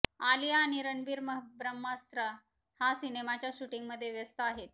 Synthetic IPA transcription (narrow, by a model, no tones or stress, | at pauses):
alijaːɽ̃iɾəɳbiːɾməɦbɾəmːəst̪ɾə | hasinemat͡ɕjaɕuʈiŋɡməd̪ʱːjeʋjəst̪əaɦet̪̚